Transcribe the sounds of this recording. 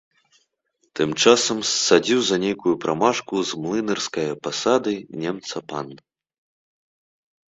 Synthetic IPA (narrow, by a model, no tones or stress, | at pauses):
t̪ɨmt͡ʂasɐmsːad͡zʲiwzɐnʲejkujupɾʔamaʂkuzmlˠɨnɛrskɐjɐpasad̪ɨnʲemt̪sɐpanː